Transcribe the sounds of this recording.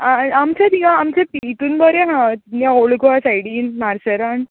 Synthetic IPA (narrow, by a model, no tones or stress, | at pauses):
aamt͡ɕat̪ikãːmt͡ɕapiʈ̪uːnbəɾẽɦãnjãoɭɡoasajɽiːnmaɾsəɾan